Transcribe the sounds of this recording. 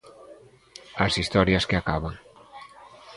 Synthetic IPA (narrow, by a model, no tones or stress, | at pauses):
asist̪ɔɾjaskeakaβaŋ